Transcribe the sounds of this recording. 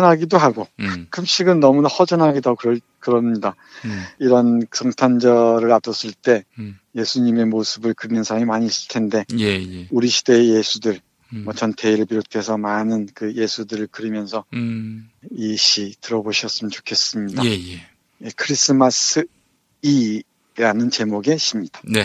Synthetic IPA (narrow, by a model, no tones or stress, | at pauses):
nɦaɡidoɦaɡokʰɯmɕ͈ʰiɡɯnːʌmunahʌd͡ʑʌnɦaɡidakɯɾʌ | kɯɾʌɲida | iɾʌnsʰʌŋtʰand͡ʑʌɾɯɾadʌs͈ɯɭt͈e̞je̞sʰuɲime̞mosʰɯbɯɭkɯɾinɯnsʰaɾamimaɲiːs͈ɯ̥ɭtʰe̞nde̞juɾiɕʰi̥de̞ːje̞sʰudɯɭ | mʌt͡ɕʌntʰe̞iɾɯɭpiɾotʰe̞sʰʌmanɯnkɯje̞sʰudɯɾɯɭkɯɾimjʌnsʰʌ | iɕʰitɯɾʌboɕʰʌs͈ɯmɯnt͡ɕo̥kʰe̞s͈ɯmɲida | jekʰɯɾis͈ʰɯmasɯ | i | ɾanɯnt͡ɕe̞moɡe̞ɕʰimɲidḁne